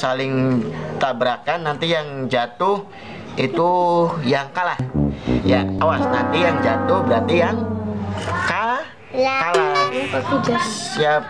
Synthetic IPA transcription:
salɪŋt̪abəɾakanːant̪ijaŋd͡ʒat̪ʊh | it̪ujaŋkalahja̰awasnant̪ijaŋd͡ʒat̪ʊhbəɾat̪ijaŋ | ka | kala | iap

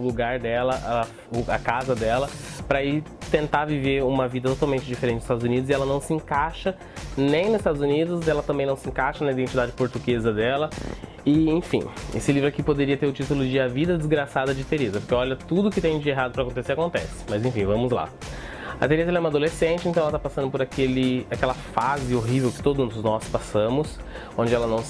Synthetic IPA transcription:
ʊluɡaɾd̪ɛlɐʔ | ʊɐ̰kazɐd̪ɛlɐpɾɐɪt̪ẽnt̪aviveɾũmɐvid̪ɐt̪ot̪awmẽnt͡ʃɪd͡ʒifeɾẽt͡ʃɪ̃st̪ad̪ʊzunid̪ʊzɪɛlɐnɐ̃w̃sɪẽkaʃɐ | nẽj̃nʊzɪst̪ad̪ʊzunid̪ʊsd̪ɛlɐt̪ɐ̃bẽnɐ̃w̃sɪẽkaʃɐnɐid̪ẽnt͡ʃid̪ad͡ʒɪpoɾt̪uɡezɐd̪ɛlɐ | ɪẽj̃fḭ̃ḛsɪlivɾʊɛkɪpod̪eɾiɐt̪eɾʊt͡ʃit̪ʊlʊd͡ʒɪɐvid̪ɐd͡ʒɪzɡɾasad̪ɐd͡ʒɪt̪eɾezɐpoɾkeɔʎɐt̪ud̪ʊkɪt̪ẽj̃d͡ʒieɦad̪ʊpɾɐakõt̪eseɾakõnt̪ɛsɪ̥mɐzẽfĩvɐ̃mʊzla̰ | ɐ̰t̪eɾezɐɛlɛũmad̪olesẽnt͡ʃɪẽnt̪ɐ̃ɛlɐt̪apasɐ̃d̪ʊpoɾakelɪakɛlɐfazɪoɦivewkɪ̥t̪od̪ʊzznɔspasɐ̃mʊs | õnd͡ʒɪɛlɐnɐ̃w̃

